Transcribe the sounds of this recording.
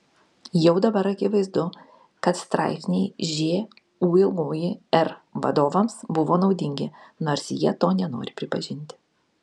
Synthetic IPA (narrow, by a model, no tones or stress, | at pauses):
jɛʊd̪ɐbɐɾɐkʲɪʋɐɪzd̪ʊ | kɐt̪st̪ɾɑ̰ˑɪpʲsʲnʲɛɪʒʲeː | uːɪlˠɡoːjɪɛɾʋɐ̰d̪oːʋɐmsbʊʋoːnɒʊd̪ʲɪŋʲɡʲɪnoːɾsjiɛt̪oːnʲɛno̰ːɾʲɪpʲɾʲɪpɐʒʲɪnʲt̪ʲɪ